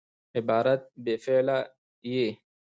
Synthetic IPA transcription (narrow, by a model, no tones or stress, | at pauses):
ɪbaːɾat̪̚befɛla | je